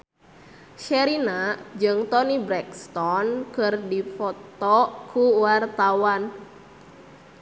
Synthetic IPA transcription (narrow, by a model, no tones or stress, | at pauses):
ʃɛɾinad͡ʒɨŋt̪ɔnibɾɛkst̪ɔnkɨrdifɔt̪ɔkʰuwart̪awan